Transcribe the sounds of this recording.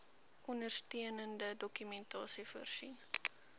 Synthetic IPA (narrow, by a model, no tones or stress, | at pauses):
ɔndərstiənəndədɔkymɛntɑːsifərsin